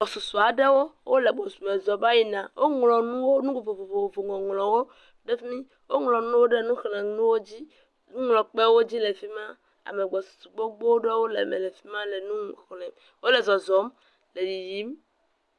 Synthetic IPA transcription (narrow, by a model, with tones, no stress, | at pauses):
ɡ͡bɔ˨su˨su˨a˨ɖɛ˦wo˦wʔo˦le˨ɡ͡bɔ˨su˨mɛ̃˨zɔ˨ba˦ji˦˨nã˨wʔo˦ŋlɔ̃˨nũ˦wo˦nũ˦ɡ͡bo˨vo˨vo˨vo˨vo˨vo˨ŋɔ̃˨ŋlɔ̃˨wo˦ | ɖɛ˦fmĩ˦ | wo˦ŋlɔ̃˨nũ˦wo˦ɖɛ˦nũ˦xlɛ̃˨nũ˦wo˦d͡ʑi˦ | nũ˦ŋlɔ̃˨k͡pɛ˦wo˦d͡ʑi˦le˨fi˦mã˦ | a̰˨me˨ɡ͡bɔ˨su̥˨su˨ɡ͡bɔ˦ɡ͡bo˦wo˦ɖe˦wo˦lḛ˨mḛ̃˨le˨fi˦mã˦lɛ˨nũ˦˨xlɛ̃˨m | wo˦lɛ˨zɔ˨zɔ˨˦m | le˨ji˨ji˨˦m